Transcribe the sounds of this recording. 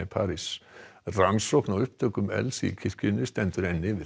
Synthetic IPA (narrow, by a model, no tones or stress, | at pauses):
ipʰaːɾisraŋsɔknaʏhp̚t̪ʰœkʏmɛ̰lsḭkʰɪ̥kɪnʏst̪ɛnt̪ʏɾɛnːɪvɪ